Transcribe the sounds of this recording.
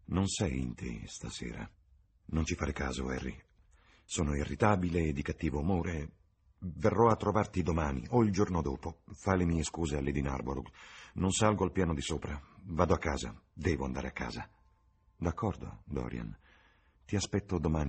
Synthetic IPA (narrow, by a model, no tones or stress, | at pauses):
nonsɛjḭnt̪ʰḛst̪asḛːɾa̰ | nont͡ʃifaːɾekaːzo̰ɛ̰rːḭ | soːnoirːit̪aːbileːd̪ːikat̪ːiːvoumoːɾe | verːɔat̪ːɾovart̪id̪omaːnḭʔoild͡ʒornod̪oːpofalemiːeskuːzealːed̪ina̰rboɾṵknonsalɡoalpjaːnod̪isoːpɾavaːd̪oakːaːza̰d̪ɛːvoa̰nd̪a̰ːɾeakːa̰ːza | d̪akʰːɔrd̪o̰d̪ɔ̰ːɾja̰n | t̪iaspɛt̪ːod̪omaːni